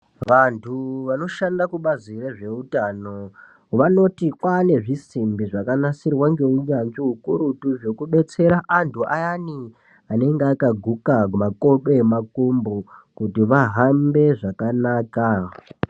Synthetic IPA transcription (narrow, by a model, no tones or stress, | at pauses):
ʋantʰuʋano̞ʃandakuɓazireʐe̞utano̞ | ʋano̞tikwane̞ʐisimbiʐakanasirwaŋɡe̞uɲanʐiɦukuɾutuʐokuɓe̞t͡se̞ɾaʔantʰuʔajani | ane̞ŋɡeakaɡʱukamako̞ɓemakumbokutiʋaɦambe̞ʐakanaːka